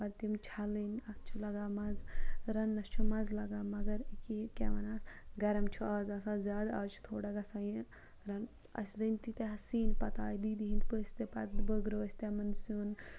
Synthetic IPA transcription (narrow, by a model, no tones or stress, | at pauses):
bɐd̪t̪imt͡ʃʰalinɐkʰt͡ʃʰulɐɡaːmɐzɾɐnːɐst͡ʃʰumɐzlɐɡaːmɐɡɐɾikikeʋɐnaːsɡɐɾɐmt͡ʃʰuɐːzɐsaːzʲjaːd̪ɐt͡ʃʰu̥t̪ʰoːɽɐɡɐsaːjĩ | ɾɐn | ɐ̰sʲɾənʲt̪it̪eɦɐsiːnpɐt̪aːjd̪iːd̪iɦinpəsʲt̪epɐ̰t̪bəɡɾoːsʲt̪emɐnsun